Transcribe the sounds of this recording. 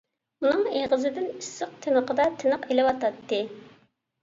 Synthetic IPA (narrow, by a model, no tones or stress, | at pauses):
unɨŋeʁəzɪd̪ɪnysɨq̚t̪ʰɪnəqʰəd̪ɑt̪ʰɪnəqelɪwɑt̪ɑt̪ːɨ